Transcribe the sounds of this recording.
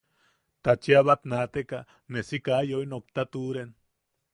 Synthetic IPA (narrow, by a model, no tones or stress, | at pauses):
t̪at͡ʃiaβat̪nat̪eka | nesikajojnok̚t̪at̪uɾen